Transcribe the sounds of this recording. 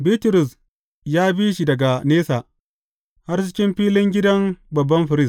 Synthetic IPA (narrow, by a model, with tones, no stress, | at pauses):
biː˦tʊ˨ɾʊ˨s | jaː˦biː˦ʃi˨dɐ˨ɡa˨neː˦saː˨ | ha˦rt͡ʃɪ̥˦kʲɪ˦mɸiː˦lɪ˦ŋɡʲɪ˦dɐ˦mbɐ˨bːɐ˦mɸɪ˨ɾɪ˦s